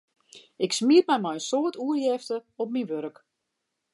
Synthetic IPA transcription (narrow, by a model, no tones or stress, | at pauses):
ɪksmiətmɛjmɔjəsoətuərjɛftəɔp̚minʋøɾək